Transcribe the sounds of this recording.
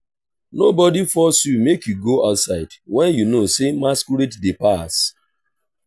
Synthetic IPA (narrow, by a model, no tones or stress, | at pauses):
nobɔdifɔsjumekjuɡoaʊtsaɪdwɛ̃njunosemaskuɾetdepas